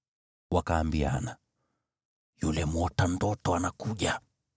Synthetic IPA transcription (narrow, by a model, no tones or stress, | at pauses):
wakaːmbia̰na | julɛmɔtandɔtɔanakuʄa